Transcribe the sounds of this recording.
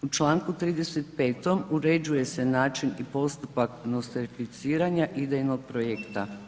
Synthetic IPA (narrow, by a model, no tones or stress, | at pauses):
ut͡ʃlˠaːŋkut̪ɾiːd̪e̞se̞t̪pe̞ːt̪o̞muɾe̞d͡ʑuje̞se̞naːt͡ʃinipo̞st̪upaknost̪eɾfit̪siːɾaɲaʔid̪ejnoɡ̚pɾojekt̪a